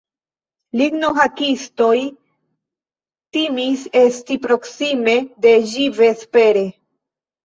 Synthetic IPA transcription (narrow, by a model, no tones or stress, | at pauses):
liɡnoɦakisto̞j | timise̞stipɾo̞ksime̞de̞ʒive̞spe̞ɾe̞